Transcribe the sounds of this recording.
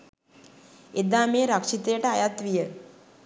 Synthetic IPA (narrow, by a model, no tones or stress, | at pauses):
ed̪aːmeːɾakʂit̪ejəʈəajat̪ʋijə